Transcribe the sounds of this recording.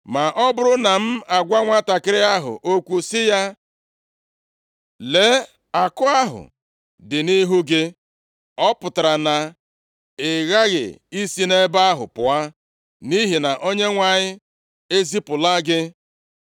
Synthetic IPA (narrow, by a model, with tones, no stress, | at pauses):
ma˨ʔɔ˦bʊ˦ɾʊ˦na˨m̩˦a˨ɡʷa˦ŋʷa˦ta˨kɪ˦ɾɪ˦a˦ɦʊ̰˨ʔo˦kʷu˦sɪ˦ja˦ | le˨˦ | a˨kʊ˦a˦ɦʊ̰˨ | dɪ˨ni˦ɦu˦ɡɪ˦ | ɔ˦pʊ˨ta˨ɾa˨na˨ | ɪ˨ɣa˦ɣɪ̰˨i˦si˦ne˦ba˦ɦʊ̰˨pʊ˨a˦ | ni˦ɦi˨na˨ʔo˦ɲe˦ŋʷa˨ɲɪ˦ | e˦zi˦pʊ˨la˦ɡɪ˦